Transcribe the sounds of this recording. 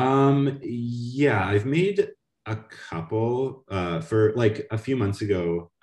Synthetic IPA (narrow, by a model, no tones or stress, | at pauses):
ʌ̃mjæaɪvmeɪɾ | əkʰʌpl̩ˠʌfə˞laɪkəfjʉmʌ̃nθsɨɡoʊ